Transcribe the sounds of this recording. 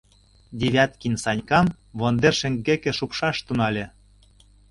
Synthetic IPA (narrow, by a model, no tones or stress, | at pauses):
d̪ʲeβʲæt̪kʲinsɑnʲkɑm | βond̪erʃɘ̆ŋɡɡːekĕʃupʃɑʃt̪unɑlʲĕ